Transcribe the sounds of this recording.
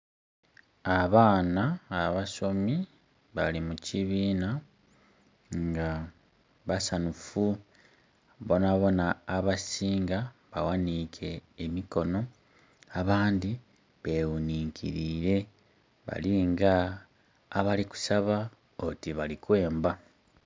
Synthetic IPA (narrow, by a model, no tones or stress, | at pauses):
aβaːnaːβaso̞mi | βalimuciβiːna | ŋɡa | βasanufu | βo̞naβo̞naːβasiːŋɡaβawanikʰe̞ːmiko̞no̞ | aβaːndi | βe̞wuniːŋkʰḭɾiːɾe̞ | βa̰liŋɡaː | βaliku̥saβa | otiβalikwe̞ːmba